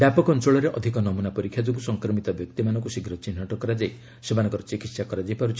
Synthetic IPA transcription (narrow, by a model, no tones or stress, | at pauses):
bapɔkɔntɾoɭɔɾeʔɔd̪ʱikɔnɔmunapɔɾikʰːjad͡ʒoɡusɔŋkɾɔmit̪ɔbjɔk̚t̪imanɔŋkusiɡʱɾɔt͡ʃin̤ːɔʈɔkɔɾad͡ʒaj | semanɔ̃ŋkɔɾɔt͡ʃikit̪sakɔɾad͡ʒejpaɾut͡ʃʰi̥